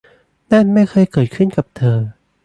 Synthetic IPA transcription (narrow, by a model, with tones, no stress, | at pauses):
na˥˩nma˥˩jkʰɤː˧jkɤː˨˩t̪̚kʰɯ˥˩nka˨˩p̚t̪ʰɤː˧